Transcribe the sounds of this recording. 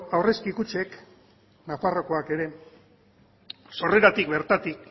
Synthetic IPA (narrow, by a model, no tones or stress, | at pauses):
awre̞skikut͡ʃe̞k | nafaro̞ko̞ake̞ɾe̞ | so̞re̞ɾat̪ikbe̞ɾt̪at̪ik